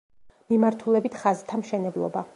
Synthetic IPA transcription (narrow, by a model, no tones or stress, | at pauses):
mimaɾt̪ʰulɛbit̪ʰχazt̪ʰamʃɛnɛblˠɔ̰ba